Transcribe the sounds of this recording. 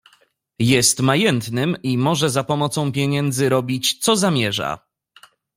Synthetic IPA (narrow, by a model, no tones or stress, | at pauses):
jɛst̪majɛnt̪nɘmimɔʐɛzapɔmɔt̪sɔ̃w̃pʲjɛɲɛnd̪zɘɾɔbʲit͡ɕt̪sɔzamʲjɛʐa̰